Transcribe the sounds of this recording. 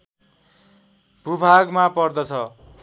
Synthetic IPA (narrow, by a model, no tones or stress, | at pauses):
pubʱaɡmapʌrd̪ʌt͡sʰʌ